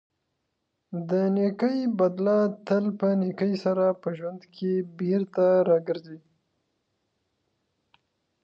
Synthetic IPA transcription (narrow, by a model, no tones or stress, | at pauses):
d̪ənekəjbad̪lɑt̪əlpənekəjsaɾapəʒwand̪kʰebeɾt̪aɾɑɡəɾzi